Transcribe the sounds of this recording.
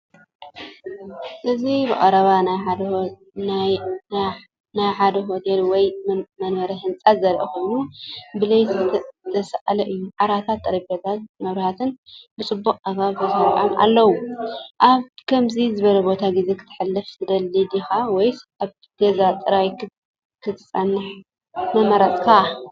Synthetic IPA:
ʔɨzibɨ̰ʔʼɐɾɐβanaj | najħad̪ɐɦo̞t̪ʰelwɔjmɐnbɐɾɐɦɨnt͡sʼat̪zɐɾʔixojnubɨlɐjzɨt̪ʰt̪ʰɐsɐʔalɐʔɨjːuʕaɾat̪ʰat̪ʼːɐɾɐbɐt̪ʰat̪mɐβɾihat̪ʰɨnbɨt͡sʼɨbːuqʼaɡaβbɐzhɐɾʕamʔa̰lːɐwuʔaβkʰɐmzizɨβɐlɐbo̞t̪ʰaɡize̞kʰɨ̥t̪ʰːɨ̥ħɨlːɐftɨd̪ɐlːid̪ixawɔjaβ | ɡ̥ɐzat̪ʼɨɾajk | kʰɨt̪ʰɨ̥sʼɐnːɨħ | mɐmɐɾɐt̪ʼkʰa

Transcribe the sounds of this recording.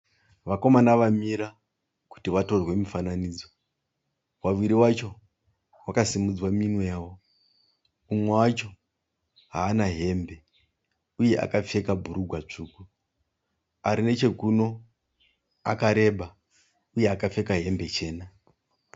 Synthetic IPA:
ʋako̞manaʋamiɾa | ku̥tiʋato̞rwe̞mifananiːd͡zo̞ | waʋiɾiwat͡ʃo̞ | wakasimud͡zwaminwejaːwo̞ | umwewat͡ʃo̞ | ɦaːnaɦe̞mbe̞ | uje̞ʔa̰kap͡fe̞kabʱuɾuɡʱwat͡ʂuːku | aɾine̞t͡ʃe̞kuno̞ | akaɾe̞ɓa | uje̞akafe̞kaɦe̞mbe̞t͡ʃe̞ːna

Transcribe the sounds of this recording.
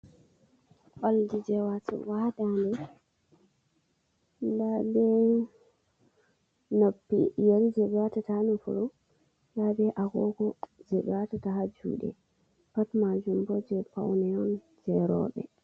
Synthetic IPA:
ʔaldid͡ʒɛwatwadandɛ | ndabɛ | nopːijaɾid͡ʒɛɓɛwatatanufṵlɔ | ndabɛʔaɡɔɡɔd͡ʒɛɓɛwatataɦad͡ʒṵːɗɛ̰ | patmad͡ʒumbɔd͡ʒɛpa̰wnɛɔn | d͡ʒɛɾɔ̰ɓɛ̰

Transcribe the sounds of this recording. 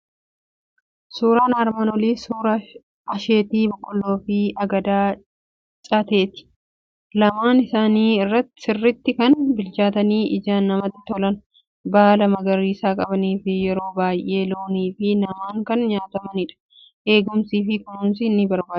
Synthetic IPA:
suːɾaːnaɾmɐnɔliːsuːɾɐ | ɐʃe̞ːt̪iːbɔkʼːɔlːo̞ːfɪʔɐɡɐd̪aː | t͡ʃʼɐt̪e̞ːt̪ɪ̥ | lɐmaːnɪsaːniːɪrːɐt̪ːɪ̥sɪrːɪt̪ːɪkɐnbɪlt͡ʃaːt̪ɐniːʔɪd͡ʒaːnːɐmɐt̪ːɪ̥t̪ɔlɐn | baːlɐmɐɡɐɾiːsaːkʼɐbɐniːfɪjɛɾo̞ːbaːjʔe̞ːloːniːfɪnɐmaːŋkɐnɲaːt̪ɐmɐnɪᶑɐ̥ | ʔe̞ːɡʊmsiːfɪkʊnʊnsɪnːɪbɐɾbaː

